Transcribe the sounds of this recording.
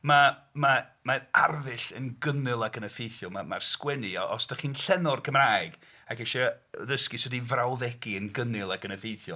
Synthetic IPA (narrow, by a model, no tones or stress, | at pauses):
mama | maa̰rðɪɬənɡənɨlˠaɡənəfejθjɔmama̰rskwɛniɔʔɔsd̥aχiːnɬɛnɔrkʰəmraːjɨɡ | akɛʃɛðəskiswɛdivrawðɛɡiənɡənɪlˠaɡənəfejθjɔ